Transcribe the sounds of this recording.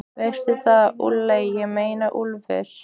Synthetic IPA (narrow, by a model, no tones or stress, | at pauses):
vɛr̥t̪ɪθaðṵlːejjɛɣmeːjnaʔulvɛ̰ɾ̥